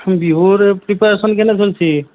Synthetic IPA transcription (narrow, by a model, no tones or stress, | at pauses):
mbiɦoɾpɾipeɾesənkenɛt͡ʃʰelt͡ʃʰi